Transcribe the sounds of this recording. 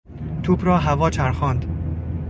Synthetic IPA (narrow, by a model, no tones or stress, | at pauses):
t̪ʰuːbɾɒːɦævɒːt͡ʃʰæɾxɒːnd̪